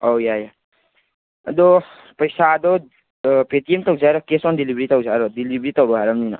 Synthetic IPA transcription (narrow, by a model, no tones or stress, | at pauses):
owjaja | d̪o | pəjsad̪o | pet̪iemt̪ʌud͡zʱaɾɔkesɔnd̪ilibɾit̪ɔwuaɾod̪ilibɾit̪ɔbɦaɾʌmnina̰